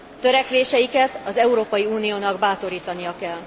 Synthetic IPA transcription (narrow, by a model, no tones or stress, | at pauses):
t̪ø̞ɾɛkʋeːʃɛjikɛt̪ɒzɛuɾoːpɒjiuːnijoːnɒɡbaːt̪o̞ɾiːt̪ɒnijɒkɛl